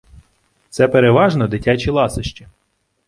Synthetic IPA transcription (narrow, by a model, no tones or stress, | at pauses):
t̪sɛpeɾeʋɑʒnɔd̪ɪtʲat͡ʃilˠɑsɪʃt͡ʃi